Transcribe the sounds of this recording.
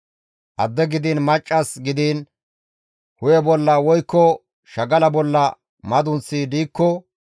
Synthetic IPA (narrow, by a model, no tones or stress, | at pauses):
ʔɐd̪ːɛɡɪd̪inmɐt͡ʃʼːɐsɡɪd̪iːn | hʊjɛbɔlːɐwɔjkːɔ | ʃɐɡɐlɐbɔlːɐ | mɐd̪ʊnsiːd̪iːkːɔ